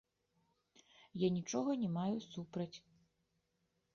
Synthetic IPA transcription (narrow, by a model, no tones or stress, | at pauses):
janʲit͡ʂɔɣɐnʲɛmajusupɾɐt͡sʲ